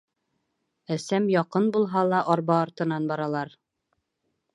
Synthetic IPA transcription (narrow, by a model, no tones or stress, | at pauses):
æsæmjɒqɤnbulˠɦɑlˠɑʔɒɾβɑːɾt̪ɤ̆nɑnbɑɾɑlˠɑɾ